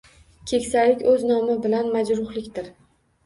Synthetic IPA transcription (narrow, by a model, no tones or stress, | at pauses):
kʲʰe̞kʲsalɪkʲɵznɒmɪbɪlanmad͡ʒɾʊhlɪkʲt̪ɪɾ